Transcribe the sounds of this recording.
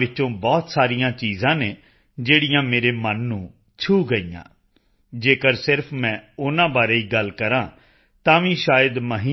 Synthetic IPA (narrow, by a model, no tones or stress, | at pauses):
ʋɪt͡ʃõːbɔːt̪saːɾijãːt͡ʃiːzãːneː | d͡ʒeːɽijãːmeːɾeːmənːũː | t͡ʃʰuːɡəiːã̰ː | d͡ʒeːkəɾsɪɾpʰmɛ̃ːʊnãːbaːɾeːiːɡəlkəɾãː | t̪ãːʋĩːʃaːjəd̪məɦiː